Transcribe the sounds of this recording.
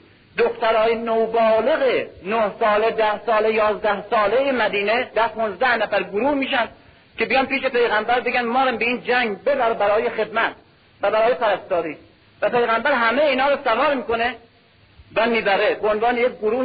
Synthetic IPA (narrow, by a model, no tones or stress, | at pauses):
d̪okt̪æɾɒːjenowbɒːle̞ɣenohsɒːled̪æhsɒːlejɒːzd̪æhsɒːlejemæd̪iːned̪æpʰonzd̪æhnæfæɾɡoɾuːhmiːʃænd̪ | ke̞beɡænpiːʃe̞pe̞jɣæmbæɾbeɡʲænmɒːɾæmbeiːnd͡ʒæŋɡbebæɾebæɾɒːjexe̞d̪mæt̪̚ | væbæɾɒːjepæɾæst̪ɒːɾiː | væpe̞jɣæmbæɾɦæmejiːnhɒːɾosævɒːɾmiːkone | væmiːbæɾebeonvɑːnejek̚ʲɡoɾuː